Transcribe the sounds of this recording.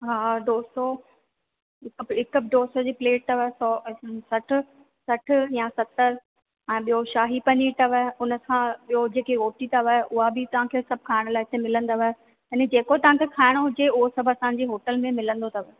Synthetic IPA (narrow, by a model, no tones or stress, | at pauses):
ɦaːɖoːso | ɦɪkɪkɖoːsod͡ʑiːpleːʈ̚t̪ɐʋəɦsɔsɐʈʰʊ̆ | sɐʈʰʊ̆jãsɐt̪əɾ | ɛ̃ːɓijoʃaːɦipɐɲit̪ɐʋəɦʊnəkʰãɓijod͡ʑeːkeɦoːʈit̪ɐʋəɦʔʊɦabʱɪt̪ɐʋ̤ãkʰeːsɐb̚ʱkʰaːɪɽ̃laːɪɦɪt̪emɪlə̃nd̪aʋəɦ | ɐned͡ʑeːkot̪ɐʋ̤ãkʰekʰaːɪɽ̃oɦʊd͡ʑeʊɦosɐbʱɐsãːɲ̆d͡ʑeːɦoːʈəlmẽmɪlə̃nd̪ot̪ɐʋə